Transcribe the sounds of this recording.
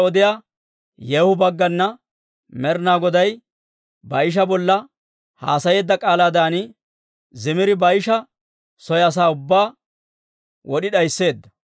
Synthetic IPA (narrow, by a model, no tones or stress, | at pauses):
ɔd̪ɪjaː | jɛːhʊbɐɡːɐnːɐ | mɛɾnaːɡɔd̪ɐj | bɐjɪʃ̬ɐbɔlːɐ | ha̰ːsɐje̞ːd̪ːɐkʼaːlaːd̪aːnɪ | zɪmɪɾɪbɐjɪʃɐ | sɔjɐs̬aːʊbːaː | wɔɗɪɗɐjsːe̞ːd̪ːɐ̥